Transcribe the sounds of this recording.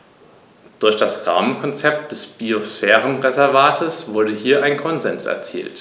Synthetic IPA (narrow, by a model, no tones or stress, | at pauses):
d̥ʊɐçd̥asʁa̰ːmənkʰɔnt͡sɛp̚t̚d̥ɛsb̥iosfɛːʁənʁezɛɐvaːtʰəsv̥ʊɐdəhiːɐʔaɪnkʰɔnzɛnsɛ̰ɐt͡sḭːlt